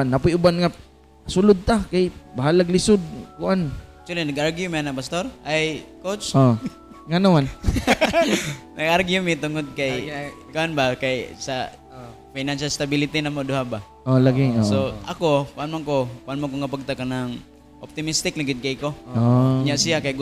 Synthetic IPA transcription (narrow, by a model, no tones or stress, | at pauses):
nːapʊjʊbanŋa | sʊlʊd̪̚t̪akajbaɦalaɡlɪsʊd̪̚kʊʔank̚t͡ʃ̪ʊwalinɐɡʔaɾɡjʊmnapast̪oɾajkot͡ʃo | ŋanaman | nɐɡaɾɡjʊmɪt̪ʊŋod̪̚kajkʊʔanbakajsa | fajnanʃalst̪abilɪt̪inamoduɦaba | olaɡisoʔakokʊʔanmaŋkokʊʔanmaŋk̬oŋapaɡ̚t̪akanaŋ | ʔɔp̚t̪ɪmist̪ɪk̚laɡɪd̪̚kaikooɲaʔsijakajɡ